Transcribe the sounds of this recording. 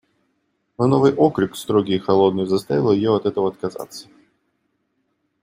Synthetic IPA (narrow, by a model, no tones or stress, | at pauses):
nonovɨjʔokɾɪkst̪ɾoɡʲɪjxɐlˠo̞d̪nɨjʊzɐst̪avʲɪlˠəjɪjoɐt̪ɛt̪əvəɐt̪̚kɐza̰t̪sːə̥